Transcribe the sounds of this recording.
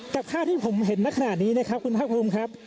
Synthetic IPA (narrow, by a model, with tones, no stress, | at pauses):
ka˨˩p̚kʰaː˥˩t̪ʰiː˥˩pʰo˩˦mɦe˨˦nna˦˥kʰa˧na˨˩t̪̚niː˦˥na˦˥kʰɾa˦˥p̚kʰu˧npʰaː˥˩pʰuː˧mkʰɾa˦˥p̚